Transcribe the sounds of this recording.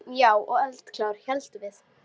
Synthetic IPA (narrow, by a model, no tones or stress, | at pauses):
jaːwʔɔɣɛlt̪kʰlaːwɾ̥çɛlt̪ʏvɪð